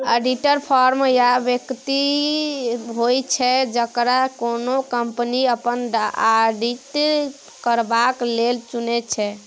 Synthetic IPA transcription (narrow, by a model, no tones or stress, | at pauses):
eɖiʈəɾpʰɔɾmjabjəkt̪i | ɦojt͡ʃʰɛd͡ʒəkɾakonokəmpniəpənaɖiʈ | kəɾbaklelt͡ʃunɛt͡ʃʰɛ